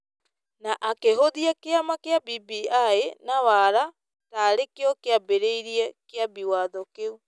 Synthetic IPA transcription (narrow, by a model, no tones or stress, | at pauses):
naʔakeɦoðiɛkeamakeabibiaenawaɾa | taːɾekeɔkeabeɾeiɾiɛkeabiwaðɔkeu